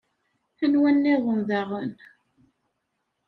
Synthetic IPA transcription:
θənwænːiðˤəmðaʁən

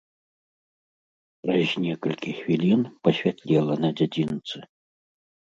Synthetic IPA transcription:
pɾɐzʲnʲɛkɐlʲkʲixvʲilʲinpɐɕʲvʲat̪ʲlʲɛlˠɐnɐd͡zʲad͡zʲint̪sɨ

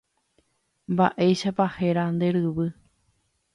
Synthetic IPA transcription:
mba̰ʔe̞jʃapaheɾand̪e̞ɾɨβɨ

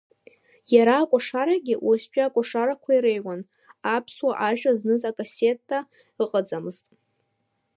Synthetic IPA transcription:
jaɾaːkʷʼaʂaɾaɡʲɪʔast͡ʃʼᶣaakʷʼaʂaɾakʷʰaiɾejwan | apʰswaʔaʒᶣaznɨzakʼasetʰʼːa | ɨqʼad͡zamɨz̥tʼ

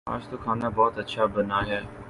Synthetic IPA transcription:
a̰ːd͡ʒt̪oːkʰaːnabɔːt̪ɐtːʃʰabənaːɦɛː

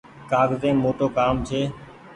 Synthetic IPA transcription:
kaːɡzẽːmoːʈoːkaːmt͡ʃʰeː

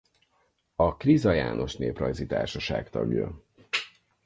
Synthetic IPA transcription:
ɒkrizɒjaːnʔo̞ʃneːprɒjzit̪aːrʃɒʃaːkt̪ɒ̰ɡjɒ̰

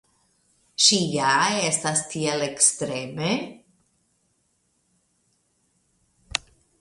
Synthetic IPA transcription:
ʃijaɛst̪ast̪iɛlekst̪ɾɛme

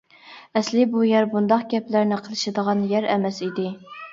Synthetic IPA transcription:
ɛslɪbujɛɾbund̪ɑqɡʲɛplæɾnɪqʰəlˠɨʃɨd̪əʁɑnjɛɾɛmɛsid̪ɪ

